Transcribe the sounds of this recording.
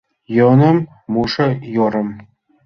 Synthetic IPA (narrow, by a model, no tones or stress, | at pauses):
jɤnɤ̆mː | uʂɤ̆joɾɤ̆m